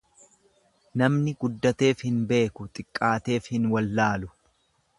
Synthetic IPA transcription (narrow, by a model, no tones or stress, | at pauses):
nɐmnɪɡʊd̪ːɐt̪e̞ːfhɪnbe̞ːkʊt̪ʼɪkʼːaːt̪e̞ːfhɪnwɐlːaːlʊ